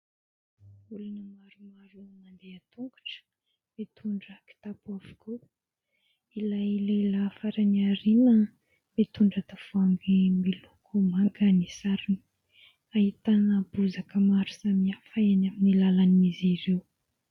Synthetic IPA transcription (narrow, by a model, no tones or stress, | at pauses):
ulanəmaɾumaɾumand̪eat̪uŋɡu̥ʈ͡ʂə̥ | mit̪ʰuɳɖ͡ʐəki̥t̪apuavu̥kʰu | ilajleləfaɾaniaɾinə | mit̪uɳɖ͡ʐat̪afaŋɡimilukʰumaŋɡənisaɾini | ahit̪anəbuzakəmaɾu̥samiafaanaminilalanimiziɾew